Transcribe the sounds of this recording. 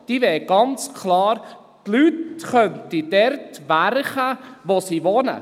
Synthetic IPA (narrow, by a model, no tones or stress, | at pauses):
d̥iːʋɛːɡ̥ɑnt͡skʰlɑːɾ | tlytχœntid̥ɛɾtʋæɾχəʋosiʋɔnə̰